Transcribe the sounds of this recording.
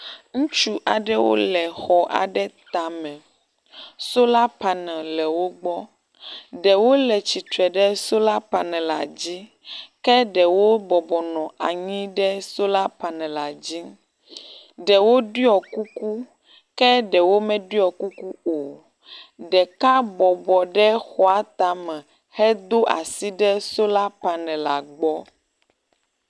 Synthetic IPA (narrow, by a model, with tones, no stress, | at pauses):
ŋũ˦t͡ʃu˦ʔa˨ɖɛ˦wo̰˦lɛ˨xɔ˨ʔa̰˨ɖɛ˦t̪a˨mɛ̃˨ | so˦la˦pa˨nɛ̃˨lɛ˨wo˦ɡ͡bɔ˦ | ɖɛ˨wo˦lɛ˨t͡ɕi˨t̪ɾɛ˨ɖɛ˦so˦la˦pa˨nɛ̃˨la˨d͡ʑi˦ | kɛ˦ɖɛ˨wo˦bɔ˨bɔ˨nɔ̃˨ʔa˨ɲĩ˦ɖɛ˦so˦la˦pa˨nɛ̃˨la˨d͡ʑi˦ | ɖɛ˨wo˦ɖi˦ɔ˨ku˦ku˦ | kɛ˦ɖɛ˨wo˦mɛ̃˦ɖi˦ɔ˨ku˦ku˦o˨ | ɖɛ˨ka˦bɔ˨bɔ˨ɖɛ˦xɔ˨˦a˦t̪a˨mɛ̃˨ | hɛ˦d̪o˦ʔa̰˨si˦ɖɛ˦so˦la˦pa˨nɛ̃˨la˨ɡ͡bɔ˦